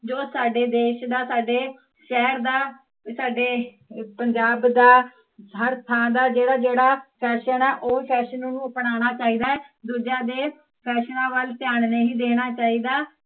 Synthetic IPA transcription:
d͡ʒoːsaːɖeːd̪eːʃd̪aːsaːɖeː | ʃɛːɦəɾd̪aː | saːɖeː | pəɲd͡ʒaːbd̪aː | ɦəɾt̪ʰãːd̪aːd͡ʒeːɽaːd͡ʒeːɽaːpʰɛːʃənɛːʔoːpʰɛːʃənːnũːpɽaːɽ̃aːt͡ʃaːiːd̪aːɛːd̪uːd͡ʒaːd̪eː | pʰɛːʃnãːʋəlt̪ɪjaːɳnəĩːd̪eːɽ̃aːt͡ʃaːiːd̪aː

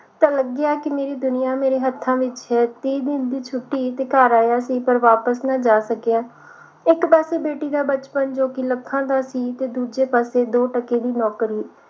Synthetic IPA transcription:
t̪ãːləɡaːkɪmeːɾiːd̪ʊnɪjãːmeːɾeːɦət̪ʰːãːʋɪt͡ʃɦɛːt̪iːd̪ɪnd̪iːt͡ʃʰʊʈːiːt̪eːkaːɾaːjaːsiːpəɾʋaːpəsnãːd͡ʒaːsəkeaː | ɪkpɛːseːbeːʈiːd̪aːbət͡ʃpənd͡ʒoːkɪləkʰːãːd̪aːsiːt̪eːd̪uːd͡ʒeːpaːseːd̪oːʈəkeːd̪iːnɔːkɾiː

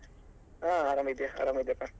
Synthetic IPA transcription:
ãaːɾamid̪jaa̰ːɾamid̪japa

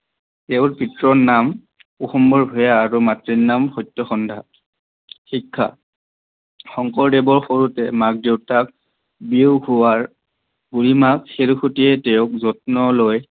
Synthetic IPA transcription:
tɛʊɹpitɹɔnam | uxɔmbɔɹbʱɔjaːɹumatɹinamxɔjtːɔxɔndʱa | xikʰːa̰ | xɔŋkɔɹdebɔɹxoɹutɛmak̚dewtak̚ | biwhuwaɹ | b̥uɹimakxeɹuxutiɛtɛʊk̚zɔtnɔloj

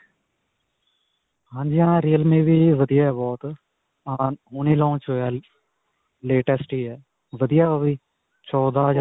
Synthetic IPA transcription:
ɦãːɲd͡ʒiɦãːɾiːəlmẽːʋiːʋəd̪ijaːɛbɔːt̪ | aɦuːniːlɔ̃ːt͡ʃoaː | leːʈɛsʈiːɛː | ʋəd̪ijaoʋiː | t͡ʃɔːd̪aːɦəd͡ʒaː

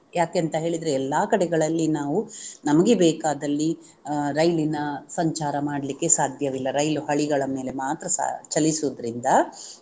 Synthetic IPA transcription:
jaːkeɐnt̪ɐɦe̞ːɭid̪ɐɾeɛlːaːkɐɽɛɡɐɭɐlːinaːʋunɐmɐɡebɛːkaːd̪ɐlːi | ɾɐjlinɐsɐɲt͡ʃaːɾɐmaːɽɐlikːe̞saːd̪ʱjɐʋilːɐɾɐjluhɐɭiɡɐɭɐme̞ːle̞maːt̪ɾɐsa̰t͡ʃɐlisud̪ɐɾind̪ɐ

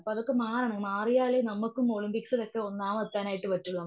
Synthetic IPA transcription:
ɐpːoːɐðokːemaːrɐɳɐmaːrijaːɭenɐmːukːumoɭimpiksilo̞kːeo̞nːaːmɐt̪ːaːnaːjiʈːɨʋɐtːuɭːɐ

